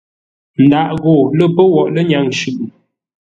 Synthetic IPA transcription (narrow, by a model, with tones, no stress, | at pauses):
n̩˨da˨ʔɣo˨lə˦pə˦wɔ˨ʔlə˦ɲa˦˨ŋʃʉ˦˨ʔ